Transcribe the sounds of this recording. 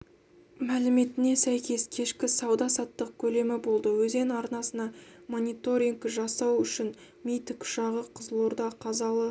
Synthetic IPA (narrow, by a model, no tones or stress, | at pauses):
mælɪme̞t̪ɪne̞sæjkʲe̞skʲʰe̞ʃkʲɪsɑwd̪ɑsɑt̪ːəq̚kʲʰɵle̞mɪbo̞lˠd̪əwɵze̞nɑɾnɑsənɑmo̞nʲit̪o̞ɾʲiŋɡkʒɑsɑwʏʃɪn | mʲijt̪ɪkʰʊ̥ʃɑʁəqʰəzəlˠo̞ɾd̪ɑqʰɑzɑlˠə